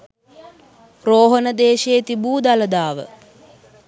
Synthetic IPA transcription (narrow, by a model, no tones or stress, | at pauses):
roːɦənəd̪eːʃejet̪ibuːd̪aləd̪aːʋə̰